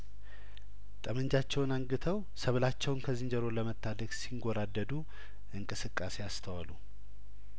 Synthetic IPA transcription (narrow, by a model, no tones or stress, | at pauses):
t̪ʼəmənd͡ʒat͡ʃːɛwnaŋɡɨt̪ʰəw | səβlat͡ʃːɛwnkʰəzɨɲd͡ʒəɾo̞ləmət̪ʰːad̪əksiŋɡoɾad̪ːəd̪u | ʔɨŋkʼɨsɨkʼːase̞jast̪ʰəwalu